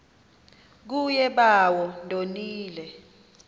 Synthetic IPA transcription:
k̬ujɛɓawɔndʱoniːlɛ

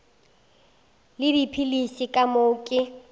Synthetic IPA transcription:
lɪdipʰilisikʼamoːkʼɪ

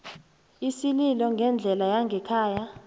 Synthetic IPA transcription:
isililɔŋɡʱɛnd͡ɮʱɛlajaŋɡʱɛkʰaːja

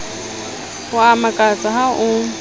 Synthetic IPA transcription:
ʊamakʼat͡sʼaɦaʔʊ

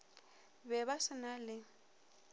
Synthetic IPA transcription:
bɛβasɪnalɪ

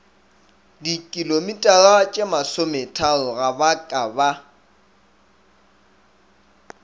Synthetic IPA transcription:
dikʼilomitʼaɣat͡ʃʼemasometʰaʊɣabakʼaba

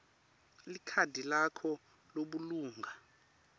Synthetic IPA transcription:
likʰadʱilakʰɔ | loɓuluːŋɡʱa

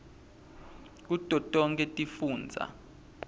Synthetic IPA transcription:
k̬utʼɔtʼɔŋkʼɛtʼifuːnd͡zʱa̰

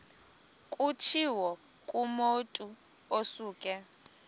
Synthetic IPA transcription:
kʼut͡ʃʰiwɔ | kʼumotʼu | osuːkʼɛ

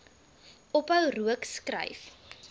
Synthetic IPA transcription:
ɔpəwruəkskrə̰jf

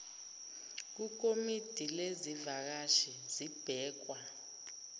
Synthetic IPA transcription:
k̬uk̬ʼomid̥ʱilezivak̬aʃizib̥ʱɛːk̬wa

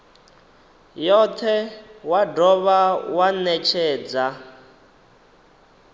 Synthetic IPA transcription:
jɔt̪ʰɛwadɔβawanɛt͡ʃʰɛːd͡za

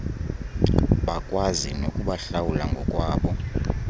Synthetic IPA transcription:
ɓakʼwazino̰kʼuɓaɬawulaŋɡʱɔkʼwaːɓɔ

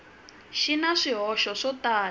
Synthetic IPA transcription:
ʃinaʂiɦɔʃɔʂɔtaː

